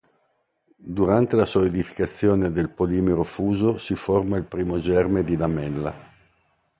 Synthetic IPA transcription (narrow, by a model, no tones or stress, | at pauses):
d̪uɾant̪elasoed̪ifi̥kat̪sːjoːned̪elpoliːmeɾofuːzosiformailpɾiːmod͡ʒɛrmed̪id̪amɛlːa̰